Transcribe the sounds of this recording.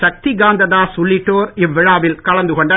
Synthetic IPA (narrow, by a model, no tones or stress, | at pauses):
ʃɐk̚t̪iɡaːnd̪ɐðaːsʊlːɪʈːoːɾɪʋːɪɻaːʋɪlkɐɭɐnd̪ɯkɔɳɖɐ